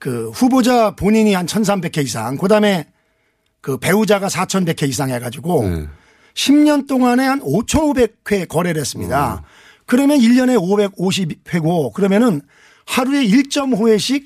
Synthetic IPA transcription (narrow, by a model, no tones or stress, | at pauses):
kɯɸubod͡ʑapoɲiɲihant͡ɕʰʌns̬ʰambe̞kʰe̞is̬ʰa̰ŋkɯdame̞ | kɯpe̞ud͡ʑaɡasʰat͡ɕʰʌnbe̞kʰe̞is̬ʰaŋɦe̞ɡad͡ʑiɡo | ɕʰimɲʌnt͈oŋane̞hanot͡ɕʰʌnobe̞k̚ʰwe̞kʌɾe̞ɾɯɦes͈ɯmɲḭda̰ | kɯɾʌmjʌniʎːʌne̞obe̞ɡ̚oɕ̬ʰibp̚we̞ɡokɯɾʌmjʌnɯn | haɾue̞iɭt͡ɕ͈ʌmɸue̞ɕʰik̚